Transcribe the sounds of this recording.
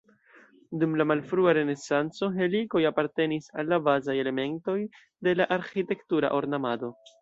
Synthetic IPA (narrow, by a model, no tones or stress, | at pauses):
dumlamalfɾuaɾe̞ne̞sant͡so̞ɦe̞liko̞japaɾte̞nisalːabazaje̞le̞me̞nto̞j | de̞laʔaɾxite̞ktuɾa̰ʔo̞ɾnamado̞